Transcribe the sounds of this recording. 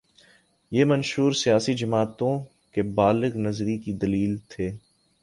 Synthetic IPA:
jeːmɐnʃuːɾsijaːsid͡ʒɐmaːt̪õ | kebaːlɪɣnɐzɾikid̪ɐliːlt̪ʰeː

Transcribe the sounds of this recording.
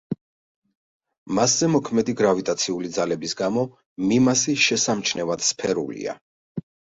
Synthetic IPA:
maszɛmɔkʰmɛd̪iɡɾavit̪ʼat̪sʰiulid̪zalɛbisɡamɔ | mimasiʃɛsamt͡ʃʰnɛvad̪̥spʰɛɾṵlḭa̰

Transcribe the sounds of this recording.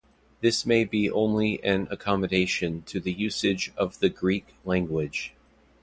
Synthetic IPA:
ðɪsmeɪbiʔõ̰ʊ̃nliʔɨ̃nɨkʰɑmɨɾeɪʃɨ̃ntʰɨðɨjʉsɨd͡ʒʌvðɨɡɹik | læ̃ŋɡwɪd̥ʒ̥

